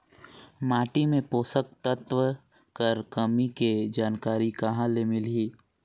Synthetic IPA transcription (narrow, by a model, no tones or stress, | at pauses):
maːʈimẽpoːsək̚t̪ət̪ʋə | kəɾkɐmiked͡ʒaːnkaːɾikaɦãlemɪlɦiː